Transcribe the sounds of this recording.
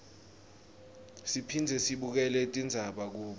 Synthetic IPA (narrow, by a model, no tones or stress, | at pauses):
sipʰind͡zʱɛsiɓuk̬ɛlɛtʼind͡zʱaɓak̬uːɓ